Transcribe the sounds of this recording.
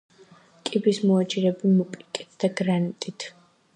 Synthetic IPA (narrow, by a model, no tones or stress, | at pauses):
kʼibismɔat͡ʃʼiɾɛbimɔkʼikʼit̪ʰd̪aɡɾanit̪ʼit̪ʰ